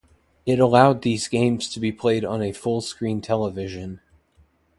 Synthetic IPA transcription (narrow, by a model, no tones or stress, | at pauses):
ɨɾəlaʊd̪̚ðizɡẽɪ̃mz̥tʰɨbipʰl̥eɪɾn̩ɨfʊlˠskɹĩntʰɛlˠəvɪʒɨ̃n